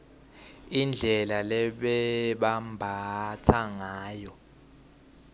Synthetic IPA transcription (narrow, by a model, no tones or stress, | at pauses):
ind͡ɮʱɛlalɛɓɛɓambʱatʰaŋaːjɔ